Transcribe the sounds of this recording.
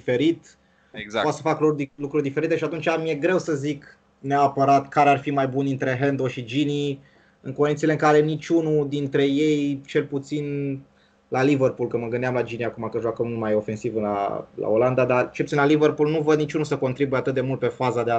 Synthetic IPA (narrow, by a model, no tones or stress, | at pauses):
ife̞ɾit̪ | eɡapat̪səfaklulukɾurʲd̪ife̞ɾit̪e̞ʃiat̪unt͡ʃamije̞ɡɾe̞wsəzik | neaːpəɾat̪kaɾearfimajbunint̪ɾe̞ɦend̪oʃid͡ʒini | ɨŋkond̪it̪ile̞ɨŋkaɾe̞nit͡ʃʲunud̪int̪ɾe̞je̞jt͡ʃe̞lput̪sin | laliverpulkɨməɡɨnd̪eamlad͡ʒiniakumakəʒoakəmumajo̞fe̞nsivla̰la̰oland̪ad̪at͡ʃelput̪sinlaliverpulnuvəd̪nit͡ʃunusəko̞nt̪ɾibujeat̪ɨt̪̚d̪e̞mult̪̚pe̞fazad̪ea